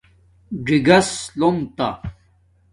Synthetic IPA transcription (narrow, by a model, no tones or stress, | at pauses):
ɖiɡɐslomt̪a̰